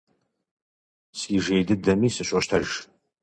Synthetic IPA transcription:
siːʒejdɨdɐmiːsɨɕʷʼɔʃtʰɐʒ

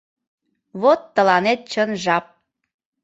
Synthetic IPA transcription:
βot̪ːə̆lɑnet̪̚t͡ɕənʒɑp̚

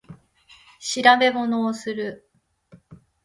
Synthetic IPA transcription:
ɕiɾabe̞mo̞no̞ːsɨɾɯ̟

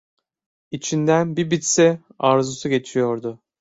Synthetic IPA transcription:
it͡ʃʰind̪ænbibit̪sɛ | aɾzusuɟe̞t͡ʃʰijo̞ɾd̪ʊ

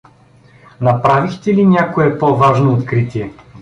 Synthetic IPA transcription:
nɐpɾavixt̪ɛlinʲakoɛpɔvaʒnoːt̪kɾit̪ʲiɛ

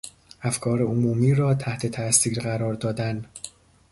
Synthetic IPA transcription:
ʔæfkʰɒːɾeomuːmiːɾɒːt̪ʰæht̪ʰe̞t̪ʰæsiːɾɢæɾɒːɾd̪ɒːd̪æn

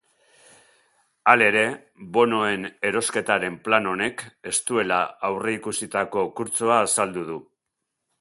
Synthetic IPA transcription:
ale̞ɾe̞ | βo̞no̞e̞ne̞ɾo̞ske̞t̪aɾe̞mplano̞ne̞ke̞st̪ue̞laawre̞ikusit̪ako̞kuɾt͡soaːsald̪uð̞u

